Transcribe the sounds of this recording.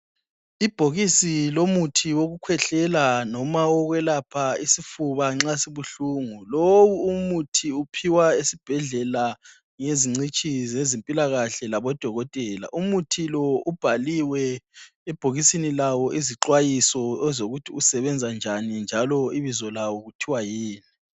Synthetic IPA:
ib̥ʱoɣisilomutʰiwoɣukʰwɛɬɛlanɔmaɔɣwɛlapʰaisifuβaŋ͡ǁasiβuɬuːŋulowuumutʰiupʰiwaesib̥ʱɛɮɛla | ŋeziŋ͡ǀit͡ʃʼizezempʼilaɣaɬɛlaβɔd̥ʱɔɣɔtʼɛla̰ʔumutʰilɔub̥ʱaliwɛ | ɛb̥ʱoɣisinilawɔʔiziǁwajisɔɛzoɣutʰiusɛβɛnd͡zʱand͡ʒʱanind͡ʒʱalɔiβizɔlawɔɣutʰiwajiːni

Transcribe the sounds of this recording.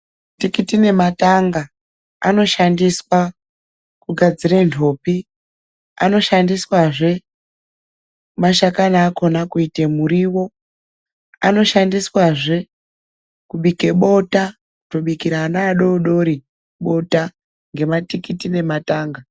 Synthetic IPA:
tikitine̞mataŋɡa | ano̞ʃandiswa | kuɡʱad͡zirentʰo̞ːpi | a̰no̞ʃandiswaʐe̞ | maʃakanaːko̞nakuitemuɾiwo̞ | a̰no̞ʃandiswaʐe̞ | kuɓike̞ɓo̞ta | uto̞ɓikiɾanaːɗo̞ɗo̞ɾi | ɓo̞ta | ŋɡe̞matikitine̞mataːŋɡa

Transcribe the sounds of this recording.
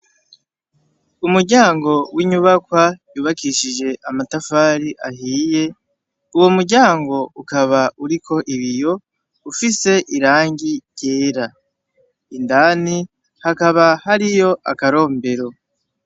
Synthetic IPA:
umuɾɟaːŋɡo̞wiɲuβakwajuːβakiʃiʒe̞ʔamatafaːɾiʔaɦiːje̞ | uwo̞muɾɟaːŋɡo̞ukaβauɾikʰo̞ʔiβijo̞ | ufise̞ʔiɾaːŋɟiɟe̞ːɾa | indani | hakaβahaɾijo̞ʔa̰kaɾo̞ːmbe̞ɾo̞

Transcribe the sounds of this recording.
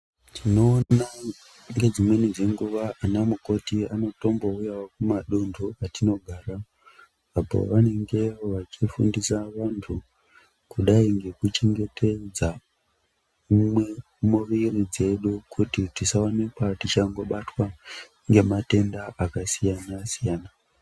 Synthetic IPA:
tʰinoa | ŋŋɡe̞d͡zimwe̞nid͡ze̞ŋɡuʋaːnamuko̞tiano̞to̞mbo̞ujawokumaɗundʱuatino̞ɡʱaːraː | po̰ʋane̞ŋɡe̞ʋat͡ʃifṵndisaʋantʰu | kuɗaiŋɡe̞kut͡ʃe̞ŋɡe̞tʰe̞d͡za | mwe | muʋirid͡ze̞ɗukʰutitisawonekwatit͡ʃaŋɡo̞ɓatwa | ŋɡe̞mate̞ndaʔakasijanasijaːna

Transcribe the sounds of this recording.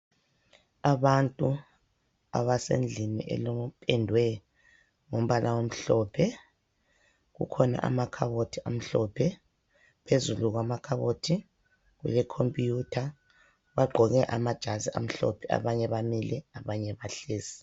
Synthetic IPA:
aβantʼu | a̰βasḛnd͡ɮʱinḭʔɛ̰lomupʰʼɛndʱwɛ | ŋom̩βalʔawom̩ɬɔːpʰɛ | ɣṵkʰɔna̰ʔa̰makʰaβotʰiʔam̩ɬɔpʰɛ | pʰezuluɣwamakʰaβotʰi | ɣwɛ̰lɛkʰompʼjutʰa | βaɡ͡ǃʱɔɣɛʔamad̥ʒ̥ʱaziʔa̰m̩ɬɔ̰pʰɛa̰βaɲɛβamilɛaβaɲɛβaɬeːsi̥

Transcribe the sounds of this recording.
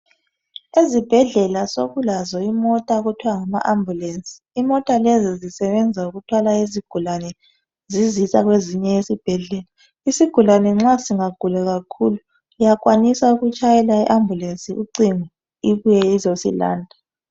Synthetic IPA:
ezib̥ʱɛɮɛlasoɣulazɔimɔtʼaoɣutʰiwaŋama̰ʔambʱjulensʼi̥ːmɔtʼalɛzizisɛβɛnd͡zʱauɣutʰwalaiziɡ̥ʱulanɛ | zizisaɣweziɲɛesib̥ʱɛɮɛla | isiɡ̥ʱulanɛŋ͡ǁasiŋaɡ̥ʱulaɣakʰulu | ijak̬ʼwanisauɣut͡ʃʼajɛlaɛʔambʱulensʼiʔuǀiŋu | iβujɛizosḭla̰ːndʱa

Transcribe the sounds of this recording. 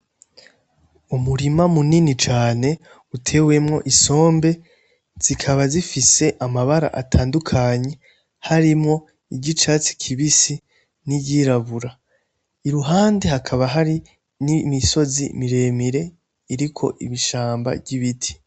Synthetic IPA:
umuɾimamuninit͡ʃaːne̞ | utʰe̞we̞mŋo̞̰ʔiso̞ːmbe̞ | z̥ikʰaβazifise̞ʔamaβaɾa̰ʔatʰaːndukʰaɲe̞ | haɾimŋo̞ | iɟit͡ʃaːt͡si̥kʰiβisi | niɟiɾaβuɾa | iɾuɦaːnde̞ɦakʰaβaɦaɾi | nimiso̞zḭmiɾe̞ːmiɾe̞ | iɾikʰo̞̰ʔḭβiʃaːmba̰bɟiβitʰi̥

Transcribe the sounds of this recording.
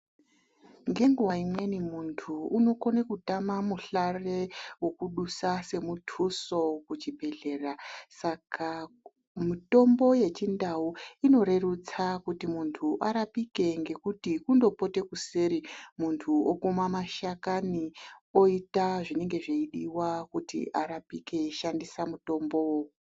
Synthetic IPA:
ŋɡe̞ŋɡuwaimwe̞nimuntʰuːno̞ko̞nekutamamuɬarewo̞kuɗusase̞mutʰuso̞kut͡ʃibʱe̞ɮe̞ːrasakʰa | mito̞mbo̞je̞t͡ʃindauino̞ɾe̞rut͡sakutimuntʰuʔaɾapike̞ŋɡe̞kutikundo̞po̞te̞kuseɾimuntʰuokumamaʃakanio̞itaʐine̞ŋɡe̞ʐeiɗiwakutḭʔaɾapike̞ʃandisamuto̞mbo̞wo

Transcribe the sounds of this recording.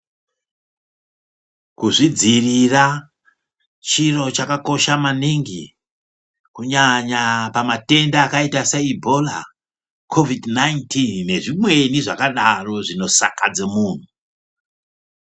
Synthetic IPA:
kuʐid͡zirira | t͡ʃiro̞t͡ʃakako̞ʃamaniŋɡḭ | kuɲaɲapamate̞ndaːkaitaseibʱo̞la̰ | kʰo̞vidnajntʰinne̞ʐimwe̞niʐakaɗaro̞ʐino̞sa̰kad͡zemuːn̤u

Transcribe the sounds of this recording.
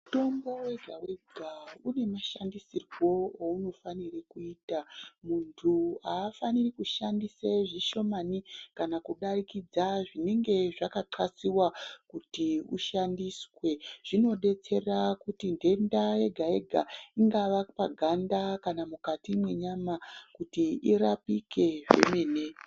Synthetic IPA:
muto̞mbo̞we̞ɡʱawe̞ɡʱaune̞maʃandisirwo̞ouno̞fanirekuiːtamuntʰuaːfanirikuʃandiseʐiʃo̞manikanakuɗarikid͡zaʐine̞ŋɡe̞ʐakaǃwasiwakutiuʃandiswe̞ʐ̥ino̞ɗe̞t͡se̞rakutinde̞ndae̞ɡʱae̞ɡʱa̰iŋɡaʋapaɡʱandakanamukatimwe̞ɲamakutiiɾapike̞ʐe̞̰me̞ːne

